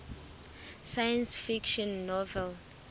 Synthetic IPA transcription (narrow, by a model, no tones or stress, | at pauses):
sajãnsfikʃɔ̃nːɔvɛl